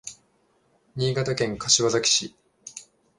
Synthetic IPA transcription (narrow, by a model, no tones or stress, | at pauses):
ɲʲiːɡat̪akẽ̞ŋkaɕiβazakʲi̥ɕi